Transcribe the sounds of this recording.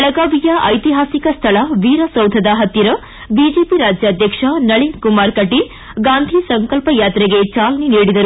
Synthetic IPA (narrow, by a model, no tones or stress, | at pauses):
ɐɭɐɡaːʋijɐʔɐjt̪iɦaːsikɐst̪ʰɐɭɐʋiːɾɐsɐwd̪ʱɐd̪ɐɦɐt̪ːiɾɐ | bid͡ʒeːpiɾaːd͡ʒjɐd̪ʱjɐkʂɐnɐɭinkumaːɾkɐʈi | ɡaːnd̪ʱisɐŋkɐlpɐjaːt̪ɾeɡet͡ʃaːlɐniniːɽid̪ɐɾu